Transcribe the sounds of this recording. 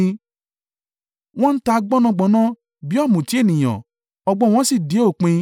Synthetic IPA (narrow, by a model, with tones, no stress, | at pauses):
w̃ɔ̃˦n̩˦ta˧ɡ͡bɔ˦nɔ̃˧ɡ͡bɔ˨˦nã˦ | bi˨˦ɔ˦˨mũ˨ti˨˦e˦˨nĩ˨j̃ã̰˨ | ɔ˧ɡ͡bɔ˦w̃ɔ̃˧˦si˦˨de˨˦o˦˨k͡pĩ˧